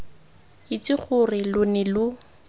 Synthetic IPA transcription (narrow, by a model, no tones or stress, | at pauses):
ɪt͡sɪχʰʊrɪlʊnɪlʊ